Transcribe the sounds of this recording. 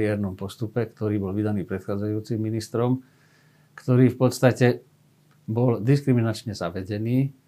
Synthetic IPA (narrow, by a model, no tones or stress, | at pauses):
ɛːɾnɔmpɔst̪upɛkt̪ɔɾiːbɔlʋid̪aniːpɾɛt̪xaːd͡zajuːt͡simːinist̪ɾɔm | kt̪ɔɾiːfpɔt̪st̪acɛ | bɔld̪iskɾiminat͡ʃɲɛzaʋɛɟɛniː